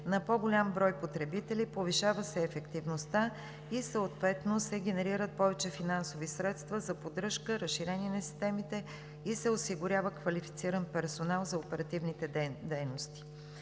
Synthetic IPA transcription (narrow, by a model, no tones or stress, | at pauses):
nɐpɔɡolʲambɾɔjpot̪ɾɛbit̪ɛlʲipoviʃavəsɛːfɛkt̪ivnost̪a | isəot̪vɛt̪nosɛɡ̟ʲɛnɛɾiɾət̪̚pɔvɛt͡ʃɛfinansovisɾɛt̪st̪vəzɐpod̪ɾɤʃkəɾəʃʃːiɾɛniɛnɐsi̥st̪ɛmit̪ɛ | isɛosiɡʊɾʲavəkvɐlifi̥t̪siɾənpɛɾsonalˠzɐopɛɾɐt̪ivnit̪ɛd̪ɛjnost̪i̥